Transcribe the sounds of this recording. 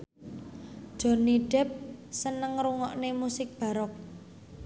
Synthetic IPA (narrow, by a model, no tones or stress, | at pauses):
d̥ɔ̤niɖ̥ɛp̚sənəŋɾuŋɔʔnemusɪk̚b̥ä̤ɾɔk̚